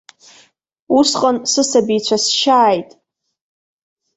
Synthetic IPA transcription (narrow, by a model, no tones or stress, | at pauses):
usqʼansɨsabijt͡ɕʷʰasʃaːjtʼ